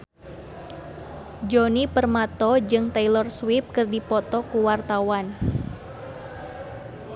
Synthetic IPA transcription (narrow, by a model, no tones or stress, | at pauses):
d͡ʒɔnipərmat̪ɔd͡ʒɨŋt̪ailɔrswip̚kɨrdipɔt̪ɔkuwart̪awan